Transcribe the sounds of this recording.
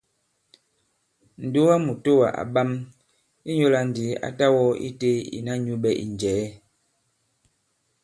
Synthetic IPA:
n̩˨du˦wa˦mu˨to˦wa̰˨ʔa̰˨ɓa˦m | i˦ɲo˦la˨n̩˨di˨˦a̰˨ta˦wɔ˦ḭ˦te˦ḭ˨na˦ɲu˦ɓɛ˦ʔḭ˨n˨d͡ʒɛː˨˦

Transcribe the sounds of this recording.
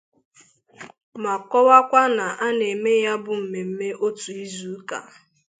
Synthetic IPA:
ma˨kɔ˦wa˦kʷa˦na˨ʔa˦ne˨me˦ja˦bʊ˨m̩˨me˨m̩˦me˦ʔo˦tu˨i˦zu˨˦ka̰˨

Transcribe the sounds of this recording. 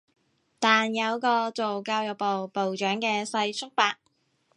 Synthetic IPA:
t̪aː˨njɐ˨˧wkɔː˧t͡so˨wkaː˧wjɐ˨w̚po˨wpo˨wt͡ʃœː˨˥ŋkɛː˧sɐ˧jt͡sʰʊ˥k̚paː˧k̚

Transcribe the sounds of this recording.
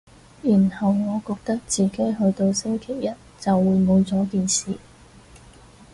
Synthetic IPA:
jiː˨˩nhɐ˨wŋɔː˨˧kɔː˧k̚t̪ɐ˥k̚t͡siː˨ke˨˥jɦɵ˧ɥt̪o˧wse˥ŋkʰe˨˩jjɐ˥t̚t͡sɐ˨wːuː˨˧jmo˨˧wt͡sɔː˨˥kiː˨˧nsiː˨

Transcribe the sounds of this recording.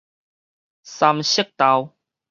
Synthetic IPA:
sa˧mɕə˥˦k̚t̪a˧w

